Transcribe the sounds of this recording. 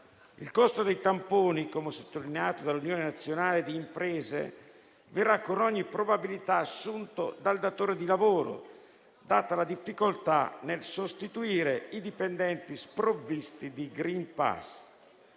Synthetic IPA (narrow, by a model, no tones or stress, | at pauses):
ḭlkost̪od̪ejt̪ampoːnikomesot̪ːolineaːt̪od̪alːunjoːnenat̪sːjonaːled̪iːmpɾɛːzḛ | verːakːonɔɲːipːɾobabilit̪aːsːunt̪od̪ald̪at̪oːɾed̪ilavoːɾo̰ | d̪aːt̪alad̪ifːikolt̪a̰nelsost̪it̪uiːɾeid̪ipend̪ɛnt̪ispɾovːist̪id̪iɡɾimpa̰s